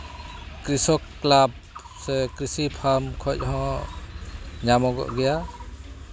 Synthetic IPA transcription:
kɾisɔkːlab̚ | sɛkɾisipʰamkʰɔc̚ɦɔ̃ | ɲamɔɡɔ̰ʔɡɛja

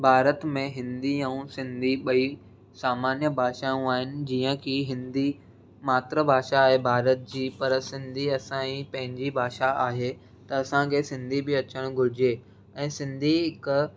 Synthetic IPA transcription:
bʱaːɾət̪mẽɦɪ̃nd̪iɛũsɪ̃nd̪ʱiɓɐi | saːmaːnjəbʱaːʃaũaːɦɪnɪ̆d͡ʑiːə̃kʰiɦɪ̃nd̪i | maːt̪ɾəbʱaːʃaːɦebʱaːɾət̪̚d͡ʑiːpɐɾsɪ̃nd̪ʱiɐsãĩpɐ̃ɦɪ̃ɲd͡ʑibʱaːʃaaːɦe | t̪ɐɐsãkʰesɪ̃nd̪ʱibɪɐt͡ɕəɽ̃ɡʱʊɾɪd͡ʑeː | ɛ̃ːsɪ̃nd̪ʱiɦɪk

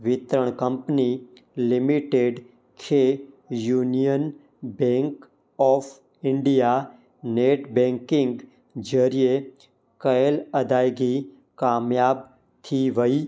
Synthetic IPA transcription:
ʋɪt̪ɾəɳ̃kə̃mpni | lɪmiʈeɖ | kʰe | juːnijən | bẽŋk | ɔːfʰ | ɪ̃ɳɖija | neːʈbẽŋkɪ̃ŋɡ | d͡ʒəɾije | kəjəlɐd̪aːjɡi | kaːmjaːb̚ | t̪ʰiʋəi

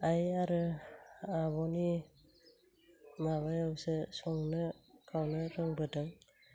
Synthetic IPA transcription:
ajaɾɯ | aβɔni | maβajawsesɔŋnɯkʰawnɯɾɯŋbɯdɯŋ

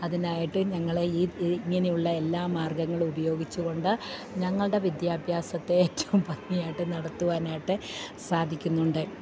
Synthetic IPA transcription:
ɐðinaːjiʈːɨɲɐŋːɐɭeiiŋːɐnejuɭːɐelːaːmaːrɡɐŋːɐɭubɐjo̞ːɡit͡ɕːuɣo̞ɳɖɨɲɐŋːɐɭɽe̞ʋid̪jaːbʱjaːsɐt̪ːe̞eːtːɐʋumpɐnːijaːjiʈːɨnɐɽɐt̪ːuʋaːnaːjiʈːɨsaːd̪ʱikʲːunːuɳɖɨ

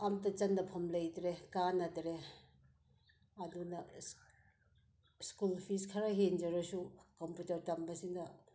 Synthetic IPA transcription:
amtɐt͡ʃɐndɐpʰɐmlɐjdɾekanɐdɾe | ɐdunɐ | skulpʰiskʰaɾaɦend͡ʒɐɾɐsukomputɐɾtɐmbɐsindɐ

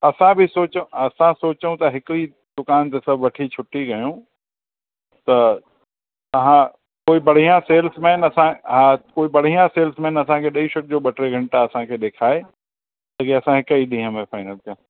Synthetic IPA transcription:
ɐsãbʱɪsoːt͡ɕɐsãsoːt͡ɕũt̪ɐɦɪkɾi | d̪ʊkaːnt̪esɐbʱʋɐʈʰit͡ɕʰʊʈiɡɐjũ | t̪ɐ | t̪ɐɦã | koːibɐɽ̤ijãseːlsmẽːnɐsãɦakoːibɐɽ̤ijãseːlsmẽːnɐsãkʰeɗɐiʃɐk̚d͡ʑoːɓɐʈɾeɡʱɐ̃ɳʈaɐsãkʰeːɗ̪eːkʰaːe | tɐkeɐsãɦɪkəiɗĩːɦə̃mẽfaːɪnəlkʰj̃

